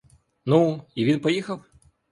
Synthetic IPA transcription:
nuiʋʲinpɔjixɐw

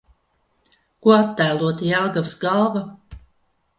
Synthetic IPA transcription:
kuɔat̪ːæːlˠuɔt̪iɛlˠɡavsɡalˠva

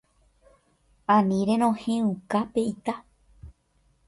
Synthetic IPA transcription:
ãnĩɾẽɾ̃õhẽũkapeit̪a

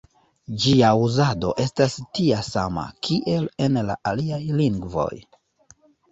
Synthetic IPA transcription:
d͡ʒiauzado̞̰ʔe̞stastiasa̰ma̰kʰiʔe̞le̞nla̰ʔaliajliŋɡvo̞̰j

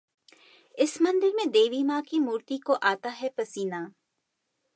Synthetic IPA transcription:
ɪsmɐ̃nd̪ɪɾmẽd̪eːʋiːmaːkimuːɾt̪ikoʔaːt̪aɦɛpɐsiːnaː

